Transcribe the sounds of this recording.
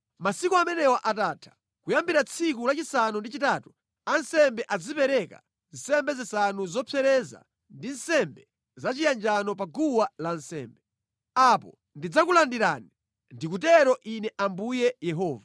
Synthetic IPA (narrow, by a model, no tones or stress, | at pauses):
masikuamɛnɛwaʔataːtʰḁ | kujambiɾat͡sʰikulat͡ʃisanundit͡ʃitaːtu | ansɛmbɛʔad͡zipɛɾɛka̰ | n̩sɛmbɛzisanuzɔpʰɛɾɛza̰ | ndin̩sɛmbɛ | zat͡ʃijand͡ʒanɔp̬aɡuwalan̩sɛ̰ːmbɛ | apɔ̰ | ndid͡zakulandiɾaːni | ndikutɛɾɔʔinɛʔambujɛjɛɦɔːva